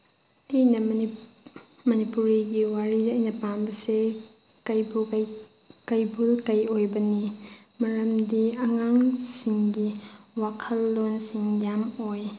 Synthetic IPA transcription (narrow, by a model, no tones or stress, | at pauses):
ɐjnɐ | mɐnipuɾiɡiwaɾidɐjnɐpanbɐse | kɐjbu | kɐjbulkɐjojbɐnimɐɾɐmdiɐŋaŋsiŋɡiwakʰɐlːonsiŋjamoj